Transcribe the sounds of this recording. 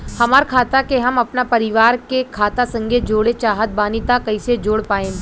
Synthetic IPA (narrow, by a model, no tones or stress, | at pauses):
hɐmaːɾkʰaːt̪akeɦɐmɐpnapɐɾɪʋaːɾkekʰaːt̪asɐ̃ŋɡʱed͡ʒoːɽet͡ʃaːɦət̪̚baːnɪt̪akɐɪsed͡ʒoːɽpaːẽː